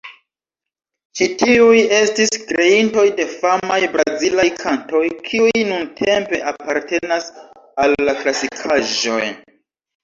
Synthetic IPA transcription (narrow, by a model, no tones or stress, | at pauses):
t͡ʃitiuje̞stiskɾe̞into̞jde̞famajbɾazilajkʰanto̞jkʰiujnuntʰe̞mpe̞ʔapaɾte̞nasalːaklasikʰaʒo̞̰j